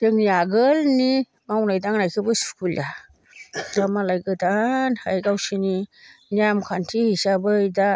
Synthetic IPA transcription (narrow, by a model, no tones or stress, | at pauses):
dɯŋniaɡɯlni | mawnajdaŋnajkʰɯbɯsi̥kʰulja | damalajɡɯdanhajɡawsininiamkʰantʰihisabɯjda